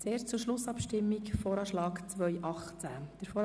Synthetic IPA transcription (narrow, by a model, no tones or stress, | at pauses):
t͡seːʃt͡suɾʃlʊsɑpʃtɪmːikfoːɾɑːʃlɑːkt͡sʋœʏʔɑχt͡sæd̥əɾfoː